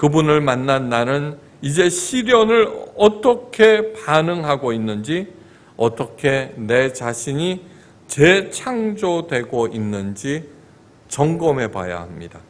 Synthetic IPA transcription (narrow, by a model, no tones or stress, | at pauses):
kɯbunɯɭmanːanːanɯn | id͡ʑe̞ɕʰiɾjʌnɯɭʌt͈ʌkʰe̞panɯŋɦaɡoinːɯnd͡ʑi | ʌt͈ʌkʰe̞ne̞t͡ɕaɕʰiɲi | t͡ɕet͡ɕʰaŋd͡ʑodwe̞ɡoinːɯnd͡ʑi | t͡ɕʌŋɡʌme̞pa̰ja̰hamɲḭda